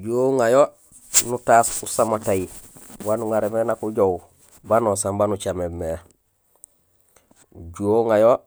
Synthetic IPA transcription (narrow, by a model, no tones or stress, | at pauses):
ɟuoŋajo | nutaːsusamatajiwanuŋaɾemenakuɟow | banosambanut͡ʃamemːe | ɟuoŋajo